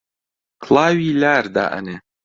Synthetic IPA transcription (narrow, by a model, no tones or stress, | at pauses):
kʰlˠaːwiːlaːɾd̪a̰ːʔɐ̰neː